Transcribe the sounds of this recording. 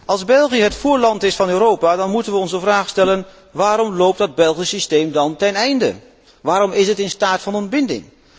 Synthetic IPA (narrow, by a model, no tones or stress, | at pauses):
ɑlˠzbɛlˠχiəɦətfuːɹlɑntɪsfɑnøːɾowpaːdɑnmutənʋəɔnszəvraːχstɛlən | ʋaːɾɔmlowp̚tdɑd̚bɛlˠχisistejmdɑntɛnɛjndə̰ | ʋaːɾɔmɪsɦətɪnstaːtfɑnɔnbɪndɪ̰ŋ